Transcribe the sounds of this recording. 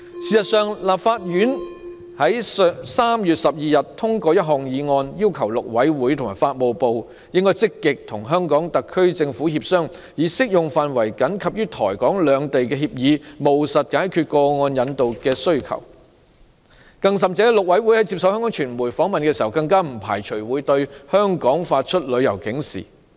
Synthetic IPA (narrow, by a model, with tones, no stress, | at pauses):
siː˨˩sɐ˨t̚sœː˨ŋlaː˨˩p̚faː˧t̚jyː˨˥n | hɐ˨˥jsaː˥mjyː˨t̚sɐ˨p̚jiː˨jɐ˨tt̪ʰʊ˥ŋkɔː˧jɐ˥t̚ɦɔː˨ŋjiː˨˧ŋɔː˧njiː˥wkʰɐ˨˩wlʊ˨k̚wɐ˨˥jwuː˨˥jt̪ʰʊ˨˩maː˨˩faː˧t̚mo˨wpo˨w | jɪ˥ŋkɔː˥jt͡sɪ˥kːɪ˨k̚t̪ʰʊ˨˩ŋɦœː˥ŋkɔː˨˥ŋt̪ɐ˨kʰːɵ˥ɥt͡sɪ˧ŋfuː˨˥hiː˧p̚sœː˥ŋ | jiː˨˥sɪ˥k̚jʊ˨ŋfaː˨nwɐ˨˩jkɐ˨˥nkʰɐ˨p̚jyː˥t̪ʰɔ̰ː˨˩jkɔː˨˥ŋlœː˨˧ŋt̪e˨jkɛː˧hiː˧p̚jiː˨˧mo˨˩wsɐ˨t̚kaː˨˥jkʰy˧t̚kɔː˧ŋɔː˧njɐ˨˧nt̪o˨wkɛː˧sɵ˥ɥkʰɐ̰˨˩w | kɐ˧ŋs̬ɐ˨mt͡sɛː˨˥lʊ˨k̚wɐ˨˥jwu˨˥jhɐ˨˥jt͡si˧p̚sɐ˨˧whɛ˥ŋkɔː˨˥ŋt͡ʃʰyː˨˩nmuː˨˩jfɔː˨˥ŋmɐ˨nkɛː˧siː˨˩hɐ˨˩wkɐ˧ŋkaː˥m̩˨˩pʰa̰ː˨˩jt͡ʃʰɵ˨˩ɥwuː˨˥jt̪ɵ˧ɥhœː˥ŋkɔː˨˥ŋfaː˧t̚t͡ʃʰɵ˥t̚lɵ˨˧ɥjɐ˨˩wkɪ˨˥ŋsḭː˨˩